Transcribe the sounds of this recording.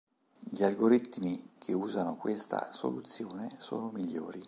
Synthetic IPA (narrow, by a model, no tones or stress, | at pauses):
ʎialɡoɾit̪ːmikʰeuːzanokwest̪a̰so̰lut̪sːjoːneso̰ːnomiʎːo̰ːɾi